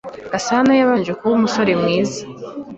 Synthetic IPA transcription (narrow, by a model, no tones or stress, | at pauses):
asanajaβand͡ʒekuumuso̞ɾemŋiːzḁ